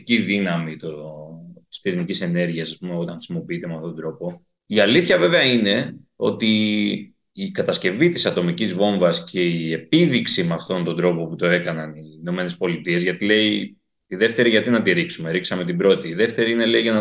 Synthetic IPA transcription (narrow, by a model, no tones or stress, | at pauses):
ciðinɐmit̪o̥ | spiɾinicise̞ne̞ɾʝiɐsɐspumeo̞t̪ɐ̃ŋxɾisimo̞piit̪emeɐft̪ot̪od̪ɾo̞po̞ | iɐliθçɐve̞veɐine̞o̞̰t̪iː | kɐt̪ɐsce̞vit̪i̥sɐt̪o̞micizvo̞ɱvɐscʰe̞ie̞piðiksimɐft̪o̞nt̪od̪ɾo̞po̞put̪o̞e̞kɐnɐnino̞me̞ne̞spo̞lit̪ie̞zʝɐt̪ile̞i | t̪iðe̞ft̪e̞ɾiʝɐt̪inɐt̪iɾiksume̞ɾiksɐme̞t̪ibɾo̞t̪iːðe̞ft̪e̞ɾiine̞le̞iʝɐnɐ